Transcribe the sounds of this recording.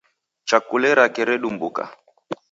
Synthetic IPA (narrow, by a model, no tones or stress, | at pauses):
t͡ʃakulɛɾakɛɾɛɗumbuka̰